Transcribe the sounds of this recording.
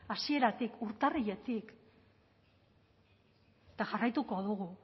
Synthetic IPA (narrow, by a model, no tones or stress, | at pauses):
asie̞ɾat̪ikuɾt̪arije̞t̪ik | t̪aʝarajt̪uko̞ð̞uɣu